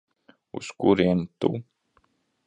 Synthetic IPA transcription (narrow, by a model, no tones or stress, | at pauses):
ṵskuɾiɛnt̪ṵ